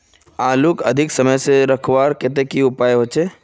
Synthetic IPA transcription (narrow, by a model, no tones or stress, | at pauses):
aːlukə̰d̪ʱɪksəməjseɾəkʰʋaːɾket̪̬ekiʊpaːjɦot͡ʃe